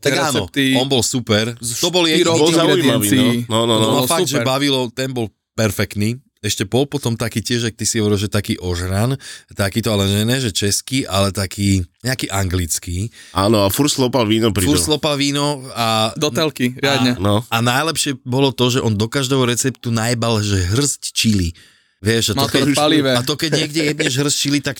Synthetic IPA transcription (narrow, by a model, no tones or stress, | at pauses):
t̪aɾɡɛaːnɔt̪iɔnbɔlsupɛɾt̪ɔbɔljɛɾɔɔzaɛimaʋiinɔnɔnɔɔfaɡd̪ʒɛbaʋilɔt̪ɛnbɔl | pɛɾfɛkt̪ni | ɛʃcɛbɔlpɔt̪ɔmt̪akiːcɪɛʒak̚t̪isiɦɔʋɔɾilˠʒɛt̪akiːʔɔʒɾant̪akiːt̪ɔalɛɲɛnɛʒɛt͡ʃɛskiːʔalɛt̪akʰiːɲɛakiːʔaŋɡlit͡skiːʔaːnɔafuɾslɔpalʋiːnɔpɾifuɾslˠɔpalʋiːnɔad̪ɔt̪ɛlkiʋɪadɲɛnɔanajlɛpʃɪɛbɔlɔt̪ɔʒɛʔɔnd̪ɔkaʒd̪ɛːɦɔɾɛt͡sɛpt̪unajbalʒɛɦr̩sct͡ʃili | ʋɪɛʃat̪ɔkɛaliʋɛat̪ɔkɛɟɲɪɛɡɟɛjɛd̪ɲɛʒɦr̩st͡ʃilit̪ak